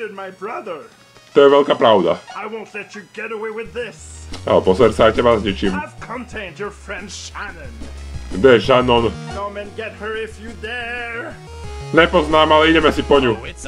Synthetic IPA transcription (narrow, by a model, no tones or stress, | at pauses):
ɪd̚maɪbɹʌðə˞ | t̪ɔjɛʋɛʎkaːpɾaʊd̪a̰aɪwõʊ̃ntˡlɛt͡ʃɨɡɛɾəweɪwɪðɪsa̰lɛpɔsɛɾt͡saaɪcɛbazɲit͡ʃimskʰə̃ntʰẽɪ̃ndjə˞fɹɛ̃ndʃænɨ̃nd̪ɛʃanɔnkõmɨ̃nɡɛt̚hə˞ɪfjɨðɛ | ɲɛpɔznaːmalɛiɟɛmɛsipɔɲu